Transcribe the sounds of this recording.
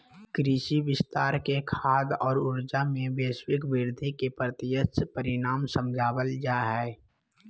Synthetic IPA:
kɾɪʃibɪst̪aːɾkekʰaːd̪ɔːɾʊɾd͡ʒamẽbeːswɪkbɪɾd̪ʱikepɾət̪ɪjəspəɾɪnaːmsəmd͡ʒʱaːwəld͡ʒaːɦɛː

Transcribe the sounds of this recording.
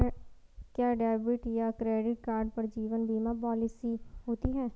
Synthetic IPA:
kjaːɖɛːbɪʈjakɾeːɖɪʈkaːɾɖpɐɾd͡ʒiːʋənbiːmapɔːlɪsiɦoːt̪iɦɛ̃ː

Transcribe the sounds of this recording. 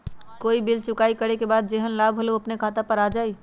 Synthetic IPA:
koibilt͡ʃʊkaikəɾekebad̪̚d͡ʒeɦənlabʱɦoloəpnekʰat̪apəɾad͡ʒai

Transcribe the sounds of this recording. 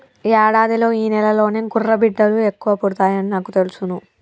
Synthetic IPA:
aːɽaːd̪ilo̞ːiːnɛlɐlo̞ːneɡurːɐbiɖːɐlue̞kːuʋɐpoɽut̪aːjɐninaːkut̪elusunu

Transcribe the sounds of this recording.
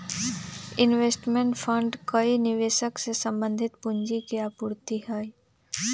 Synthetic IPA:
ɪnʋeːsʈmeɳʈfʰə̃ɳɖkɐinɪʋeːʃəksesɐ̃mbə̃nd̪ʱɪt̪pʊɲd͡ʒikiaːpʊɾt̪iɦaːi

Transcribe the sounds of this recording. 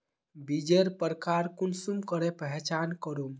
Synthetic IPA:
bid͡ʒeɾpəɾkaɾkunsumkəɾepəɦt͡ʃankəɾum

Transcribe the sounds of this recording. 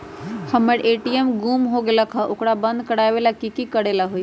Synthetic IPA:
həməɾʔeʈiemɡumɦoɡeləkʰəʔokɽabə̃nd̪̚ʱkəɽajbelakikikəɽelaɦuj

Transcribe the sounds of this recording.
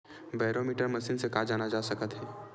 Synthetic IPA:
baːɪɾomiːʈəɾmɐsiːnsekaːd͡ʒaːnad͡ʒaːsɐkət̪ɦɛː

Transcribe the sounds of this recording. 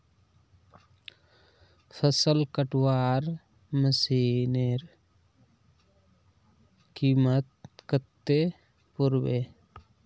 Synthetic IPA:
pʰəsəlkəʈwaːɾ | məsiːneɾ | kimət̪̚kət̪ːe | puɾbe

